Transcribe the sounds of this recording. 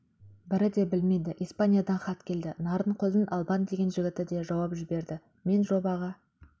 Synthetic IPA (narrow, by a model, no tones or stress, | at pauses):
bɪɾɪd̪e̞bɪlme̞jd̪ɪʔijspanʲijad̪ɑnχɑt̪kʲʰe̞ld̪ɪnɑɾəɴqʰozɪnʔɑlˠbɑnd̪e̞ɡʲe̞nʒɪɡʲɪt̪ɪd̪e̞ʒɑwɑpʒɪbe̞ɾd̪ɪ | me̞nʒo̞bɑʁɑ